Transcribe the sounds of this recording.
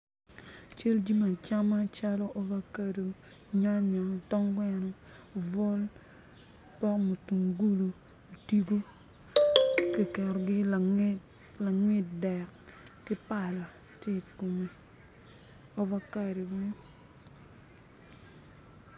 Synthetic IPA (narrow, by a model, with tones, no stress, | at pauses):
t͡ʃe˦ld͡ʒi˦ma˨t͡ʃa˦ma˦t͡ʃa˦lɔ˦ʔɔ˦va˦ka˦ɾi˨ | ɲa˦ɲɔ˨tɔ˦ŋɡwɛ˦˨nɔ˦˨ | vɔ˦l | pɔ˦kmo˨tu˨ŋɡu˦lo˨ | o˨ti˦ɡo˦ | kɪ˦˨kɛ˨ɾɔ˨ɡɪ˦˨˦ | la˨ŋwɪ˦t̚dɛ˨kkɪ˦pa˨la˨ | ti˦˨ko˨mi˨ | ɔ˦va˦ka˨ɾi˨bo˦